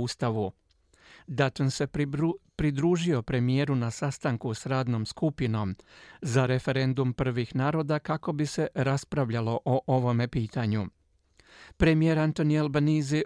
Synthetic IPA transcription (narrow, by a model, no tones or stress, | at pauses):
ust̪aʋu | d̪at̪onse̞pɾid̪ɾuːʒio̞pɾe̞mije̞ːɾunasast̪aŋkusɾaːd̪noːmskupino̞mzaɾe̞fe̞ɾe̞nd̪umpr̩ʋixnaːɾo̞ːd̪akako̞bise̞ɾaspɾaʋʎalo̞ʔoʔoʋo̞me̞piːt̪aɲu | pɾe̞mije̞ɾant̪o̞nialbaniːzi